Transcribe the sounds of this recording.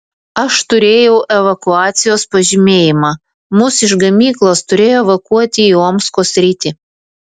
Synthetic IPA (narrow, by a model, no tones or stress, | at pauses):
ɐʃt̪ʊɾʲeːjɛʊʔɛʋɐkʊɑːt̪sʲɪjoːspɐʒʲɪmʲeːjɪmɑː | mʊsɪʒɡɐmʲiːklˠoːst̪ʊɾʲeːjoːɛʋɐkuɔt̪ʲɪːoːmskoːsʲɾʲiːt̪ʲɪ